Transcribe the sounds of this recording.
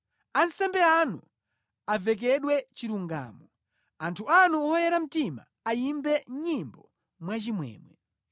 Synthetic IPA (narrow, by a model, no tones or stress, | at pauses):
ansɛmbɛanu | avɛk̬ɛɗwɛt͡ʃiɾuŋɡa̰ːmɔ | antʰuanuɔjɛɾam̩tima̰ːjimbɛɲimbɔ | mwat͡ʃimwɛ̰ːmwɛ